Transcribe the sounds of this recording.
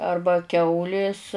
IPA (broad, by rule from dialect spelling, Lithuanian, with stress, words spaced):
ˈɐrbɐ ˈkʲɛʊlʲeːs